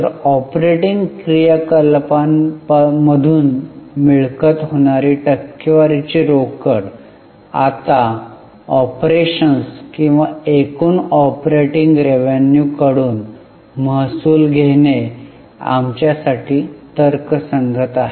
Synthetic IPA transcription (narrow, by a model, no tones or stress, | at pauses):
əɾɔpɾeʈiŋɡkɾijakəlpanpməd̪ʱuːnmiɭkət̪ɦoɽ̃aɾiːʈəkːəʋaɾit͡ɕiɾokəɽ | a̰t̪a | ɔpɾeɕənskĩw̃ʋaekuːnɔpɾeʈiŋɡɾeʋenjukəɽuːn | məɦsuːlɡʱene | a̰mt͡ɕjasaʈiːt̪əɾksəŋɡʱət̪aɦe